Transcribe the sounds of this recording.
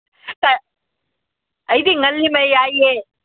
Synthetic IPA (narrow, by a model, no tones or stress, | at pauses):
t̪ɐ | ɐjd̪iŋɐlːimɐjaːje